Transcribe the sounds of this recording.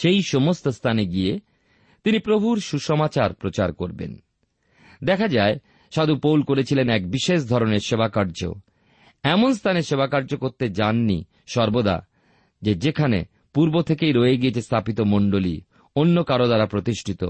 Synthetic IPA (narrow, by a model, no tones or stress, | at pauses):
ʃejʃomost̪ost̪ʰaneɡie | t̪inipɾobʱuɾʃuʃɔmat͡ɕaɾpɾot͡ɕa̰ɾkoɾbḛn | d̪ɛkʰad͡ʑae | ʃad̪upowlkoɾet͡ɕʰilenɛkbiʃeʃ̬d̪ʱɔɾoneɾʃebakaɾd͡ʑo̰ | ɛmonst̪ʰaneʃebakaɾd͡ʑokoɾt̪ed͡ʑanːḭ | ʃɔɾbod̪a̰ | d͡ʑed͡ʑekʰanḛ | puɾbot̪ʰekejɾoeeɡijet͡ɕʰest̪ʰapit̪omoɳɖolḭ | onːokaɾod̪aɾapɾot̪iʃʈʰit̪o̰